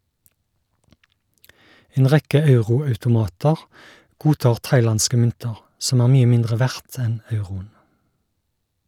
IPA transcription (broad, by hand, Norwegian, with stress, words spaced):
ˈeːn ˈʁɛkə ˈɑʉʁʊɑʉtʊˌmɑːtəʁ ˈɡuːˌtɑːʁ ˈtɑɪˌlɑnskə ˈmʏntəʁ ˈsɔm ˈæːʁ ˈmyːə ˈmɪndʁə ˈʋæʁt ˈɛn ˈɑʉʁʊən